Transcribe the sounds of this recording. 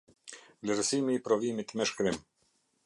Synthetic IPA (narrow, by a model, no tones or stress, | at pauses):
vlʲɛɾsimiːpɾɔvimit̪mɛʃkɾim